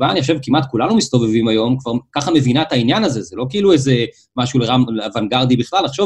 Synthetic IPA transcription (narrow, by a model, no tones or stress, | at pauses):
baaniχoʃevkimat̪kulanumist̪o̞ve̞vimajo̞mkvaʁkaχame̞vinaet̪ainjanaze̞zelo̞keilueze | maʃuleʁamleavanɡaʁd̪ibiχlalːaχʃo̞v